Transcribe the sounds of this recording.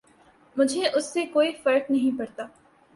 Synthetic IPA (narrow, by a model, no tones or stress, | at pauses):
mʊd͡ʒʱeʔʊsːekoːifɐɾk̚nɐɦĩpɐɽt̪aː